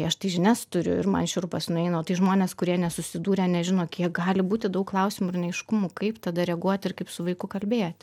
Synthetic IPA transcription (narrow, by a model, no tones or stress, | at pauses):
ɐʃt̪ɐɪʒʲɪnʲæːst̪ʊɾʲʊ̰ɪ̰ɾmɐ̰nʃʲʊɾpɐsnʊɛɪnoːt̪ɐɪʒmoːnʲeːskʊɾʲiɛnʲɛsʊsʲɪd̪uːɾʲɛːnʲɛʒʲɪnoːkʲiɛk̚ɡɑːlʲɪbuːt̪ʲɪd̪ɐʊkklˠɐʊsʲimʊɪɾnʲɛɛɪʃkʊmuːkɐɪpt̪ɐd̪ɐɾʲɛɡuɔt̪ʲɪrkɐɪpsʊʋɐɪkʊkɐlʲbʲeːjoːt̪ʲ